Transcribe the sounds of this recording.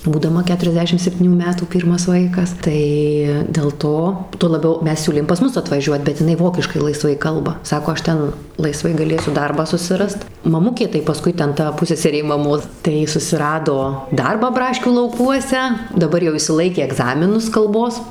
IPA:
buːdɐˈmɐ ˌkʲæːtʊrʲɛzʲˈdʲæːʃʲɪm sʲɛpʲˈtʲiːnʲuː ˈmʲæːtuː ˈpʲiːrmɐs ˈʋɐɪkɐs tɐɪ dʲɛlˠ ˈtoː tuɔ lˠɐˈbʲɛʊ ˈmʲɛs ˈsʲuːlʲeːm pɐs ˈmʊs ɐtʋɐˈʒʲuɔt bʲɛt ɪˈnɐɪ ˈʋoːkʲɪʃkɐɪ lˠɐɪˈsʋɐɪ ˈkɐlˠbɐ ˈsɑːkoː ˈɐʃ ˈtʲɛn lˠɐɪˈsʋɐɪ ɡɐˈlʲeːsʲʊ ˈdɐrbɑː sʊsʲɪˈrɐst mɐˈmʊkʲeː tɐɪ pɐˈskʊɪ ˈtʲɛn ˈtɐ ˈpʊsʲsʲɛsʲɛrʲeː mɐˈmoːs tɐɪ ˈjɪ sʊsʲɪˈrɑːdoː ˈdɐrbɑː ˈbrɑːʃʲkʲuː lˠɐʊˈkuɔsʲɛ dɐˈbɐr jɛʊ ɪʃʲsʲɪˈlˠɐɪkʲeː ɛɡˈzɑːmʲɪnʊs kɐlˠˈboːs

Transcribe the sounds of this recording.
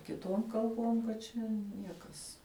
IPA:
kʲɪˈtuɔm kɐlˠˈboːm kɐt ˈt͡ʃʲɛ ˈnʲiɛkɐs

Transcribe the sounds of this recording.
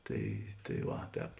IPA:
ˈtɐɪ tɐɪ ˈʋɐ ˈtʲɛːp

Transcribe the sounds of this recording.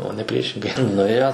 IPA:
oː nʲɛ ˈpʲrʲiɛʃʲɪŋɡɐɪ nʊˈeːjoː

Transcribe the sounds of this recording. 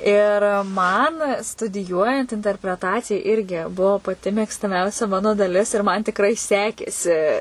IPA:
ˈɪr ˈmɐn stʊdʲɪˈjuɔjɛnt ɪnʲtʲɛrʲpʲrʲɛˈtɑːt͡sʲɪjɛ ˈɪrʲɡʲɪ ˈbuɔ pɐˈtʲɪ mʲeːkstɐˈmʲɛʊsʲɛ ˈmɑːnoː dɐˈlʲɪs ɪr mɐn tʲɪkˈrɐɪ ˈsʲæːkʲeːsʲɪ

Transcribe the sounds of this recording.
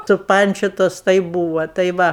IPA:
sʊˈpɐnʲt͡ʃʲoːtoːs tɐɪ ˈbuːʋɐ tɐɪ ˈʋɐ

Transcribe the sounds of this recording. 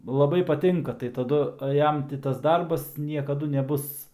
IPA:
lˠɐˈbɐɪ pɐˈtʲɪŋkɐ tɐɪ tɐˈdʊ ˈjɛm tʲɪ tɐs ˈdɐrbɐs nʲiɛkɐˈdʊ nʲɛˈbʊs

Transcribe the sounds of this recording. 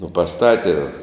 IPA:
nʊ pɐˈstɑːtʲɪ

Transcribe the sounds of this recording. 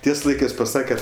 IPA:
ˈtʲiɛs ˈlˠɐɪkɜs pɐˈsɑːkʲɛ

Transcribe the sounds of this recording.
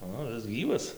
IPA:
ˈoː ˈɪs ˈɡʲiːʋɐs

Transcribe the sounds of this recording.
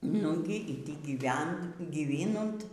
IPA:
ˈnʊɡʲɪ iː tʲiː ɡʲiːˈʋʲɛnt ɡʲiːˈʋʲɪnʊnt

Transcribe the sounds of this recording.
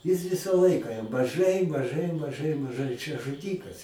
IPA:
jɪs ˈʋʲɪsɐ ˈlˠɐɪkɐ jɛm mɐˈʒɐɪ mɐˈʒɐɪ mɐˈʒɐɪ mɐˈʒɐɪ t͡ʃʲɛ ʒʊˈdʲiːkɐs

